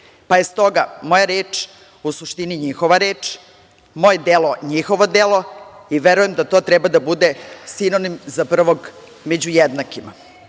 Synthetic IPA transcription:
pajest̪o̞ɡamo̞jaɾeːt͡ʂ | usuʃt̪iniɲixo̞ʋaɾeːt͡ʂ | mojed̪elo̞ɲixo̞ʋo̞d̪elo̞iʋeɾuje̞md̪at̪o̞ːt̪ɾɛbad̪abud̪esinonimzapr̩ʋo̞ɡ | med͡ʑujed̪nakima̰

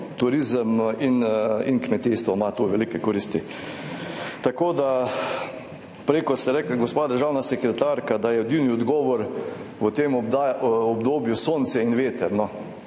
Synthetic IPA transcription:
t̪uɾizəmininkmɛt̪iːst̪ʋɔmat̪uʋelikɛkɔɾist̪i | t̪akoːd̪a | pɾekɔst̪ɛɾɛːklɡospaːd̪əɾʒaːwnasɛkɾɛt̪aːɾkad̪ajɛod̪iwniɔd̪ɡɔːʋɔɾʋət̪em | ɔbd̪oːbjusoːnt̪sɛinʋeːt̪əɾnɔ

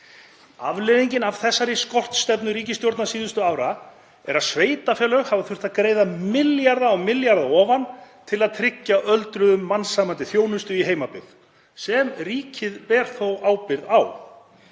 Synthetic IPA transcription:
a̰vleðiɲcɪnav̥θɛsːaɾiskɔr̥t̪st̪ɛpnʏɾiːcɪst̪jowɾt̪nasiːðʏst̪ʏaːwɾa | ɛɾaðsveːjt̪afjɛːlœɣhavaθʏr̥t̪aðkɾeːjðamɪljaɾðaɔɣmɪljaɾðaɔːvant̪ʰɪlaðt̪ʰɾɪcːaʔœlt̪ɾʏðʏmːansaːmant̪ɪθjoːwnʏst̪ʏiɦeːjmapɪð | sɛmriːcʰɪðpɛːɾ̥θowaːwpɪɾðaw

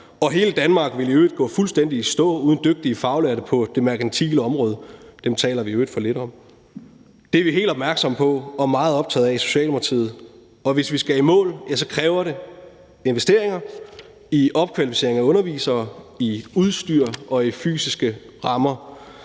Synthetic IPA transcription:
ɒ̽ɦe̝ːləd̥ænmɑ̈ːɡ̥ʋe̝liøːd̥ɡ̥ɔ̰̽ːfulsd̥en̰d̥isd̥ɔ̰̽ːuːðˠn̩d̥øɡ̥̚d̥iəfɑ̈ʊlæɾəpʰɒ̽d̥e̝mɑ̈ɡ̥ænt͡sʰḭːləɒ̽mʁɔːð̞ˠəd̥emt͡sʰɛ̰ːlɐʋiøːd̥fɒ̽le̝ɾɒ̽m | d̥eʋiɦe̝̰ːld̥ɒ̽b̥mæɐɡ̥sɒ̽m̰pʰɒ̽ɒmɑ̈ːð̞̩ˠɒ̽b̥̚t͡sʰɛ̰ːðˠɛiso̝̥ɕɛ̰ːlpʰɑt͡sʰḭːð̞̩ˠ | ɒ̽ʋe̝sʋisɡ̥æimɔ̰̽ːljæsɒ̽kʰʁɛːʊɐɾe̝ | e̝nʋesd̥e̝ɐeŋɐ | iʔɒ̽b̥̚kʰʋælifise̝ɐ̰eŋæɔ̽nɐʋḭːsɐːiuðˠsd̥yɐ̰ʔɒ̽ify̰ːsisɡ̥ə | ʁɑ̈mɐ

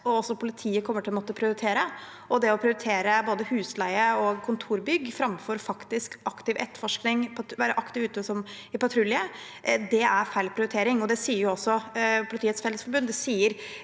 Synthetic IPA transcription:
ɔɔsɔpʰʊlɪt̪ʰiːəkʰɔmːəʈʰɪlɔmɔt̪ːəpʰɾɪʊɾɪt̪ʰeːɾə | ʔɔd̪ɛɔpʰɾɪʊɾɪt̪ʰeːɾəboːd̪əhʉːslæɪəɔkʰʊnt̪ʰuːɾbʏɡːfɾɑmfɔɾfɑkt̪ɪskɑkt̪ɪʋɛt̪ːə̥fɔʂknɪŋp̪ʰʋæːɾəʔɑkt̪ɪʋʉːt̪ɔsɔm | ɪpɑt̪ʰɾʉlɪə | d̪ɛæɾfæɪlpʰɾɪʊɾɪt̪ʰeːɾɪŋɔd̪ɛsiːəɾjʊɔsːɔpʰʊlɪt̪ʰiːət̪sfɛləsfɔɾbʉnːd̪ɛsiːəɾ

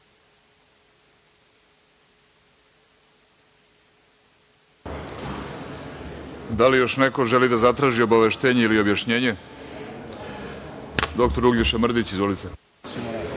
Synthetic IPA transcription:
d̪alijo̞ʃneko̞ʒe̞lid̪azat̪ɾaːʒio̞baʋe̞ʃt̪e̞ːɲeilio̞bjaʃɲe̞ːɲe̞ | d̪o̞k̚t̪oɾuɡliʃamr̩d̪it͡ɕizvʋolit̪se

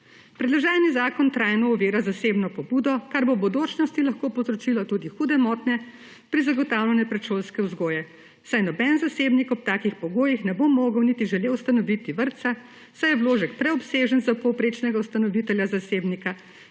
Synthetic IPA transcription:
pɾɛd̪laʒaːlnizaːkɔnt̪ɾajnɔɔʋeːɾazaseːbnɔpɔbuːd̪ɔkaɾbobɔd̪oːt͡ʃnɔst̪ilaxkoːpɔzɾɔt͡ʃilɔt̪ud̪ixuːd̪ɛmɔːt̪nɛ | pɾizaɡɔt̪aːwlʲɛnɛpɾɛt͡ʃoːlskɛwzɡoːjɛ | sajnɔbɛnzaseːbnikɔp̚t̪aːkixpɔɡoːjixnɛbomːoːɡəwnit̪iʒɛleːwst̪anɔʋit̪iʋəɾt̪sa | sajɛwloːʒəkpɾɛɔpseːʒənzapɔwpɾeːt͡ʃnɛɡawst̪anɔʋit̪ɛljazaseːbnika

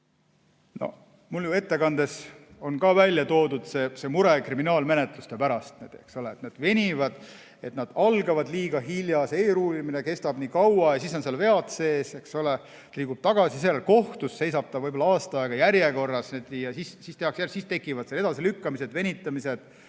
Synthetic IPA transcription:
no̰ | muljue̞t̪ːe̞kɑnd̪̥e̞so̞nkɑːvælʲːjɑt̪o̞ːd̪ud̪̥se̞ːse̞muɾe̞kriminɑːlme̞net̪ˑlust̪e̞pæɾɑst̪̚ned̪̥eksoleːt̪ned̪̥ve̞nʲivɑd̪̥ | e̞t̪nɑd̪̥ɑlɡɑvɑd̪liːɡ̥ɑɦiljɑseːɾuːlimine̞ke̞st̪ɑb̥niːkɑwɑjɑsisonselve̞ɑt̪seːseksole | t̪liːɡkub̥̚t̪ɑɡ̥ɑsiselːelko̞ht̪usːe̞jsɑb̥̚t̪ɑvɤjbolɑɑːst̪ɑeɡ̥ɑjæɾjeko̞rːɑsned̪̥jɑsissist̪e̞hɑksjæsist̪e̞kːˑivɑd̪̥seled̪ɑsilykːɑmise̞d̪ve̞nʲit̪ːˑɑmise̞d̪̥

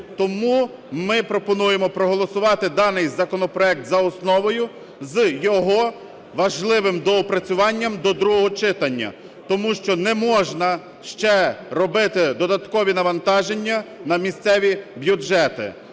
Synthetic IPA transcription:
t̪ɔmu | mɪpɾɔpɔnujemɔpɾɔɦɔlˠɔsʊʋɑt̪ɪd̪ɑnɪjzɐkɔnɔpɾɔɛk̚t̪zɐɔsnɔʋɔjʊ | zjɔɦɔ | ʋɐʒlˠɪʋɪmd̪ɔɔpɾɐt͡sʲʊʋɑnʲːɐmd̪ɔd̪ɾuɦɔɦɔt͡ʃɪt̪ɐnʲːɐ̰ | t̪ɔmuʃt͡ʃɔnɛmɔʒnɐ | ʃt͡ʃɛɾɔbɪt̪ɪd̪ɔd̪ɐt̪kɔʋʲinɐʋɐnt̪ɑʒenʲːɐnɐmʲisʲt̪sɛʋʲibʲjud͡ʒɛt̪ɪ̰

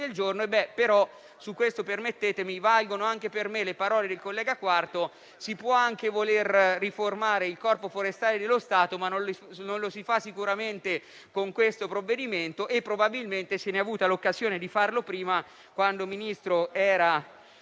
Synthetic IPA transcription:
eld͡ʒornoebːɛpeɾɔ | sukwest̪opermet̪ːeːt̪emivalɡonoaŋkepermelepaɾɔːled̪elkolːɛːɡakwart̪o | sipwɔaŋkevolerːiformaːɾeilkɔrpofoɾest̪aːled̪elːost̪aːt̪omanːonlnonlosifasːikuɾament̪e | koŋkwest̪opɾovːed̪iment̪oʔepːɾobabilment̪eseneavuːt̪alokːazjoːned̪ifarlopɾiːma | kwand̪ominist̪ɾoɛːɾa

